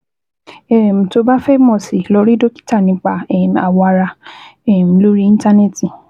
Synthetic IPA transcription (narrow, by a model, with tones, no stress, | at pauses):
ɛ˦˨m̩̃˨to˧ba˦fɛ˦mɔ̃˦˨si˨lo˧˦ɾi˦do˦ki̥˦ta˦˨nĩ˨˦k͡pa˧ɛ˦˨m˨a̰˨wɔ˧a˧ɾa˧ɛ˦˨m̩˨˧lo˦ɾi˦ĩ˦n˦ta˦ne˦˨ti˨